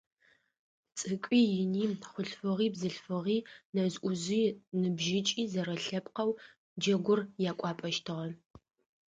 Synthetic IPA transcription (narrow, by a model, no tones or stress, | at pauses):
t͡sʼɨkʷʼiːjɪniːχʷʊɬfɨʁiːbzɨɬfɨʁiːnɐzʔʷʊziːnɨbʒɪt͡ʃʼiːzɐɾɐɬɐpʰʼqɐw | d͡ʒɐɡʷʊrjaːkʷʼɑːpʼɐʃtʰɨʁɐ